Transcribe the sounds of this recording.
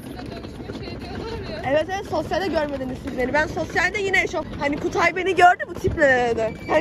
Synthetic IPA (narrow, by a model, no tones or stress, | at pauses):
evɛt̪evɛt̪so̞sjalʲdɛɟøɾme̞d̪inizsizlʲeɾibænso̞sjalʲd̪ɛjinɛʃohanikʰut̪ʰajbe̞niɟøɾd̪ybut̪ʰipɛd̪ɛha